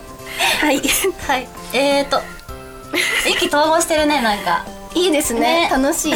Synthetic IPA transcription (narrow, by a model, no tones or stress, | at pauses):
haihai | eːt̪ːo | ikʲit̪o̞ːɡoːɕi̥t̪e̞ɾɯ̟ne̞nãŋka̰ | iːd̪e̞sɨnet̪anoɕiː